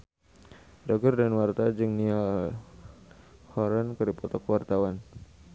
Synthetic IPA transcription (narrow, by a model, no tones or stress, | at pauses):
dɔɡərdanwart̪ad͡ʒɨŋnial | hɔɾənkɨrdipɔt̪ɔkwart̪awan